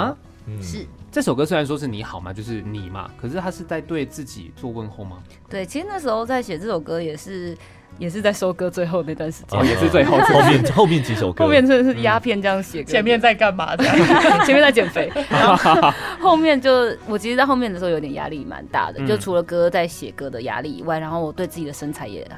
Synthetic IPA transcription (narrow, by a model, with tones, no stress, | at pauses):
ʂɻ̩˥˩t͡sə˥˩ʂo˨˩ʊkɤ˥swe˥a˧˦nʂ̬wɔ˥ʂɻ̩˥˩ni˧˥xɑ˨˩ʊma̰˩t͡ɕjo˥˧ʊʂɻ̩˥˩ni˨˩ma̰˦kʰɤ˨˩ʂɻ̩˥˩t̪ʰa˥ʂɻ̩˥˧t͡sa˥˧ɪt̪we˥˧ɪt͡sɹ̩˥˩t͡ɕḭ˨˩t͡swɔ˥˧kwə˧˥nxo˥˩ma̰˨ | t̪we˥˩ɪt͡ɕʰi˧˥ʂɻ̩˧na˥˩ʂɻ̩˧˥xo˥˧ʊt͡sa˥˩ɪɕjɛ˨˩ʈ͡ʂɤ˥˩ʂo˨˩ʊkɤ˦jɛ˨˩ʂɻ̩˥˩ | jɛ˨˩ʂɻ̩˥˧t͡sa˥˩ɪʂo˥ʊkɤ˧˥t͡swe˥˧ɪxo˥˧ʊd̪ə˩na˥˧t̪wa˥˩nʂɻ̩˧˥t͡ɕjɛ˥jɛ˨˩ʂɻ̩˥˧twe˥˧ɪo˥˧ʊ˥˧˥mjɛ˥˨nxo˥˧mjɛ˥˨nt͡ɕi˧˥ʂo̰˨˧ʊkːʊ˥mjɛ˥˧nʰə˥˩ʂɻ̩˥˩ja˥pʰjɛ˥˩nt͡ɕjɑ˥˩ŋ˩ɕjɛ˨˩kt͡ɕʰjɛ˧˥nmjɛ˥˧nt͡sa˥˧ɪka˥˩nma̰˨˥a˥t͡ɕɛ˧mjt͡sa˥˩t͡ɕjɛ˨˩nfe˥ɪ˥xo˥˧ʊmjɛ˥˧nt͡ɕjo˥˧ʊwɔ˨˩t͡ɕʰi˧˥ʂɻ̩˧˥t͡sxo˥˧mjdə˩ɻ̩˧˥˧jo˧˥it̪jɛ˨˩ja̰˥li˥˩ma̰˧˦nt̪a̰˥˩d̪ə̰˨˩t͡ɕjo˥˩ʊ˩ʈ͡ʂʰu˧˥lə˨˧kɤ˥t͡sa˥˩ɪɕjɛ̰˨˩kɤ˦˥d̪ə˨ja̰˥li˥˩ḭ˨˩˦wa˥˩ɪɻa˧˥nxo˥˩ʊwɔ˨˩t̪we˥˧ɪt͡sɨ˥˩t͡ɕi˨˩d̪ə˩ʂə˥nt͡sʰa˧˥ɪjɛ̰˨˩˨